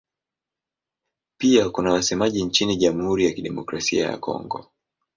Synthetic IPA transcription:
piakunawasɛmaʄiɲt͡ʃiniʄamuhuɾijakiɗɛmɔkɾasia̰ja̰kɔ̰ŋɡɔ̰

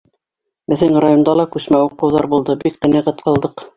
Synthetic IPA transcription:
mɘ̆ðɘŋrajond̪ɑlˠɑkʉsmæuqɤ̆wðɑɾbulˠd̪ɤbik̚qɘ̆næʁæt̪qɑlˠd̪ɤq

